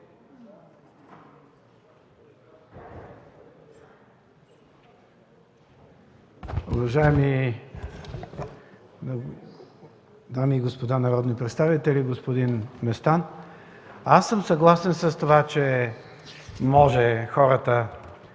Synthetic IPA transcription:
ovɐʒaɛmi | d̪amiːɡospod̪anɐɾɔd̪nipɾɛt̪st̪avit̪ɛlʲiɡospod̪inmɛst̪an | asːəmsɐɡlˠasɛnsəst̪ovat͡ʃɛ | mɔʒɛxɔɾət̪ə

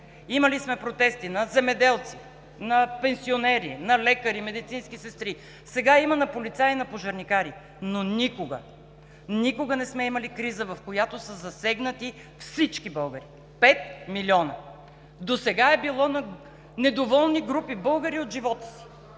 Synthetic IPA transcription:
iməlismɛpɾot̪ɛst̪inɐzɛmɛd̪ɛlˠt̪si | nɐpɛnsionɛɾḭnɐlɛkəɾimɛd̪it̪sinskisɛst̪ɾi | sɛɡaimɐnɐpolit̪sainɐpoʒɐɾnikaɾi | nonikoɡə̰ | nikoɡənɛsmɛimɐlikɾizəvɐfkojat̪osəzɐsɛɡnət̪i | fsit͡ʃkibɤlˠɡəɾi | pɛt̪̚miliɔnɐ | d̪osɛɡaɛbilˠɔnɐ | nɛd̪ovɔlˠniɡɾupibɤlˠɡəɾiot̪ʒivɔt̪ə̥si̥

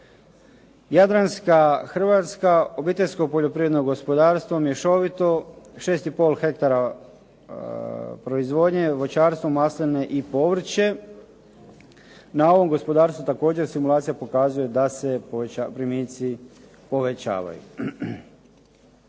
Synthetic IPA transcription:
jad̪ɾanskaxr̩ʋat̪skao̞biːt̪e̞ʎʲsko̞poʎopɾiʋɾe̞d̪noɡo̞spo̞d̪aːɾst̪ʋomjeʃo̞ʋit̪o̞ʃe̞ːst̪ipo̞lˠxe̞k̚t̪aɾa | pɾo̞izʋo̞ːd̪ɲeʋo̞t͡ɕaːɾst̪ʋomaslene̞ʔipo̞ʋɾ̩t͡ɕe̞ | nao̞ʋo̞mɡo̞spo̞d̪aːɾst̪ʋut̪ako̞ːd͡ʑeɾsimulˠaːt̪sijapo̞kaːzujed̪ase̞apɾimiːt̪si | po̞ʋet͡ɕa̰ːʋa̰jṵ

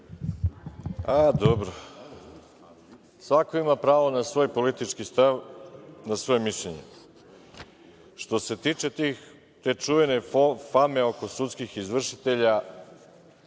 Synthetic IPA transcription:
ad̪obɾo | sʋako̞imapɾaːʋo̞nasʋo̞ːjpo̞lit̪it͡ʃkist̪aʋnasʋo̞jemiʃʎeɲḛ | ʃt̪o̞se̞t̪it͡ʃe̞t̪ix | t̪e̞t͡ʃuʋene̞fame̞o̞ko̞sut̪skixizʋr̩ʃit̪e̞ʎa

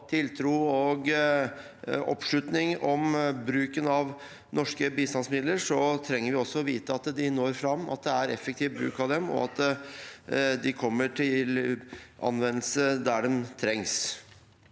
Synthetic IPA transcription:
t̪ʰɪlt̪ʰɾuːɔɡ | ɔ̰pʂlʉt̪nɪŋɔmbɾʉːkənɑʋ | nɔʂkəbiːst̪ɑnsmɪd̪ləɾʂɔt̪ʰɾɛŋːəɾʋɪɔsːɔɔʋiːt̪əɑt̪d̪ɪnoːɾfɾɑmːɑ̰t̪̚d̪ɛæɾɛfːəkt̪ʰiːʋbɾʉ̰ːkɑʋd̪ɛmɔ̰ɑt̪ | d̪ɪkʰɔmːəʈʰɪl | ɑ̰nʋɛnːəlsəd̪æɖɛmt̪ʰɾɛŋs

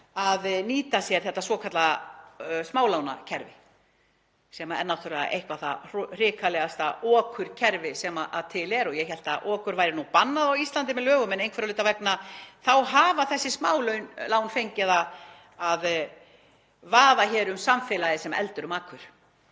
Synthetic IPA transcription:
aðniːt̪asjɛɾ̥θɛht̪ːasvɔːkʰat̪la | smaːwlawna̰cʰɛɾvɪ | sɛmaɛ̰nːawt̪ʰʏɾa̰ḛjhkvaθar̥r̥ɪːkʰalɛɣast̪aɔːkʰʏɾ̥cʰɛɾvɪsɛmaʔaðt̪ʰɪlɛɾɔjɛçɛl̥t̪aʔɔːkʏɾvajɾɪnupanːaðawist̪ant̪ɪmɛðlœːɣʏmɛnejnkʰvɛɾalʏt̪avɛknaθawɦaːvaθɛsːɪsmaːwlœɥnlaːwnfejɲcɪðað | að | vaːðaçɛːɾʏmsamfɪlajðɪsɛma̰ʔɛ̰lt̪ʏɾʏmaːkʰʏɾ̥

